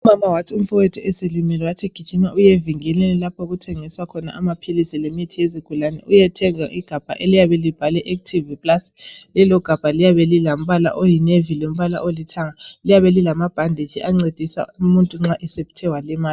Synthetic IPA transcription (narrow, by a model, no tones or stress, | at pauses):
uumamawatʰium̩fɔwɛtʰɔʔɛselimilɛwatʰiɡ̥ʱid̥ʒ̥ʱimaʔujeviŋɛlinilapʰɔɣutʰɛŋiswakʰɔna̰ʔamapʰilisilemitʰijeziɡ̥ʱulanɛ̰ʔujɛtʰɛŋa̰ʔiɡ̥ʱab̥ʱa̰ʔelijaβɛlib̥ʱalɛʔektʰivipʼlaslɛlɔɡ̥ʱab̥ʱalijaβɛlilam̩βala̰ʔojinevilom̩βala̰ʔolitʰaŋalijaβɛlilamab̥ʱandʱet͡ʃʰiʔaŋ͡ǀed̥ʱisa̰umuntʼuŋ͡ǁaʔɛsepi̥tʰɛwalɛmaːli